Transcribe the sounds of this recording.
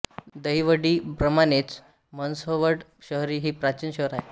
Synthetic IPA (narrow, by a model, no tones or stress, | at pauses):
d̪əiʋəɽiːbɾəmanet͡s | mənsɦoʋəɽɕəɦɾiːɦiːpɾat͡ɕinɕəɦɾaɦe